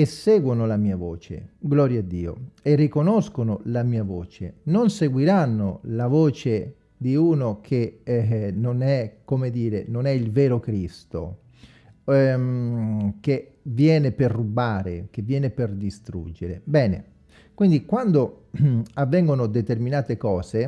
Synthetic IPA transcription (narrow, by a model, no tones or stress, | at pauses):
esːɛːɡwonolamiːavɔːt͡ʃḛɡlɔːɾjaad̪ːḭːo̰erːikonɔskonolamiːavɔːt͡ʃḛnonseɡwiɾanːolavɔːt͡ʃe | d̪iuːnokʰe | nonɛkːomed̪iːɾenonɛilvɛːɾokɾist̪o̰ | ke | vːjɛːneperːubaːɾḛkevːjɛːneperd̪ist̪ɾṵd͡ʒːeɾḛbɛːnḛ | kwind̪ikwand̪o | avːɛŋɡonod̪et̪erminaːt̪ekɔːse